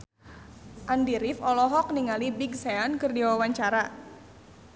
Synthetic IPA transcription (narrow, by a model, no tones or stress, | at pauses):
ʔandiɾɪfɔlɔɦɔk̚niŋalibiɡseankɨrdiwawaɲt͡ʃaɾa